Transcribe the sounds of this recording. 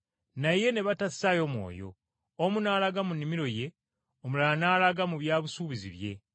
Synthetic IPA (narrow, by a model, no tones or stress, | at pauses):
naje̞ne̞βatasi̥sajo̞mwo̞̰ːjo̞̰ | omunaːlaɡamunːimiɾo̞je̞ | omulaanaːlaɡamuβjaːβusuːβizḭβje̞̰